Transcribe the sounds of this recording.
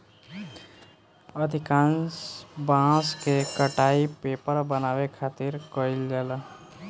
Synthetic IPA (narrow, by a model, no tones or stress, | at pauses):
əd̪ʱɪkãːnsbãːskekəʈaːipeːpəɾbənaːwekʰaːt̪iɾkoɪld͡ʒəla